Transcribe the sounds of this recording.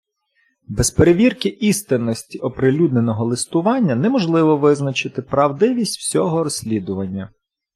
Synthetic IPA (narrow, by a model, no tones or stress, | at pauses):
bɛspeɾeʋʲirkɪʔist̪ɪnːɔsʲtʲiʔɔpɾɪlʲud̪ne̞nɔɦɔlˠɪst̪ʊʋɑnʲːɐnɛmɔʒlˠɪʋɔʋɪznɐt͡ʃɪt̪ɪpɾɐwd̪ɪʋʲisʲtʲwsʲɔɦɔɾɔsʲlʲid̪ʊʋɐnʲːɐ